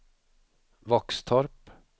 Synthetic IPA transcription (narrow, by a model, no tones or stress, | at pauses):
vɔkst̪ʰɔɾp